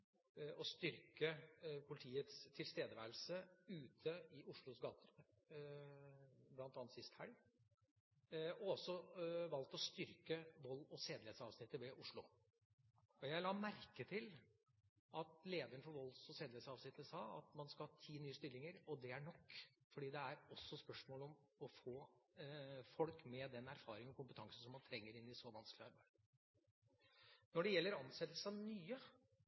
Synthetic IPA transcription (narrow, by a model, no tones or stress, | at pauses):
ɔst̪ʏɾkəpʰʊlɪt̪ʰiːət̪st̪ʰɪlst̪eːd̪əʋæɾlsəʉːt̪ʰəɪʔʊʂɭʊsɡɑːt̪ʰə | blɑnt̪ɑːnsɪst̪hæl | ɔɔsːɔʋɑlt̪ɔst̪ʏɾkəʋɔlːɔseːd̪lɪɛt̪sɑ̰ːʋsnɪt̪ːəʋɛʔʊʂɭʊ | ɔjæɪlɑːmæɾkət̪ʰɪl | ɑt̪leːd̪əəɳ̩fɔɾʋɔlːsɔseːd̪eːt̪sɑːʋsnɪt̪ːəsɑːɑ̰t̪mɑnskɑhɑːt̪ʰiːnyːəst̪ʏlːɪŋəɾɔd̪ɛæɳɔkːfɔɖiːd̪ɛæɾɔsːɔspœʂmoːlɔmɔfoː | fɔlkmɛd̪ɛnæɾfɑːɾɪŋɔkʊmpət̪ʰɑŋsən̩sɔmːɑnt̪ʰɾɛŋːəɾɪnːɪsɔʋɑnsklɪɑɾbæɪd̪ | nɔɖɛjɛlːəɾɑnsɛt̪ːlsəɑʋnyːə